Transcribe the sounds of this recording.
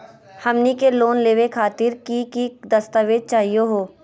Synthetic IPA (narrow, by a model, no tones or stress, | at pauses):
hɐmnikeloːnleːʋekʰaːt̪ɪɾkikid̪ɐst̪əʋeːd̪̚t͡ʃaːɦijoɦoː